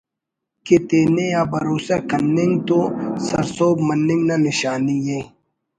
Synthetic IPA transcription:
ket̪eːneaːbɐɾoːsakɐnːɪŋɡt̪osɐ̰ɾsoːbmɐnːɪ̃ŋɡnanɪɕaːnijeː

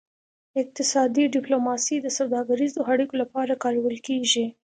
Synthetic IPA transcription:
ɪq̚t̪ɪsɑd̪iɖɪplomɑsid̪əsawd̪ɑɡaɾizoaɽikolapɑɾakɑɾawəlkeʒi

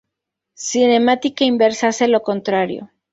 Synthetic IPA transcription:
sine̞mat̪ikaimbe̞ɾsaselo̞ko̞nt̪ɾaɾjo̰

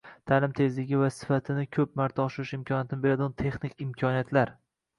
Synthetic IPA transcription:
t̪ʰaːlɪmt̪ʰe̞zlɪɡʲɪvasɪ̥fat̪ʰɪnɪkʲʰɵp̚maɾt̪ʰaɒʃɪɾɪʃɪmkʰʲɒnijat̪ʰɪnɪbe̞ɾad̪ɪʊnt̪ʰe̞χnɪkʲɪmkʲʰɒnijat̪ʰlaɾ

